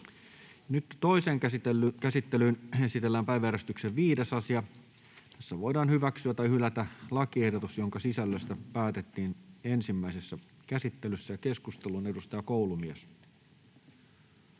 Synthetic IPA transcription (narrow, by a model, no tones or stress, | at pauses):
nyt̪ːo̞iseːŋkæsit̪ːelyːnesit̪elːæːmpæjʋææɾest̪ykseʋʋiːde̞sɑsiɑ | t̪æsːæʋo̞jdɑːnhyʋæksyæt̪ɑjhylæt̪ælɑkie̞hdot̪usjo̞ŋkɑsisælːøst̪æpæːt̪et̪ːiːne̞nsimːæisesːæ | kæsit̪ːe̞lysːæjɑke̞skust̪elune̞dust̪ɑjɑkowlumies